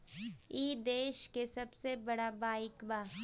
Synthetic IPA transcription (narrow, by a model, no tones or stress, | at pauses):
iːd̪eːʃkesɐbsebɐɽabaːɪkbaː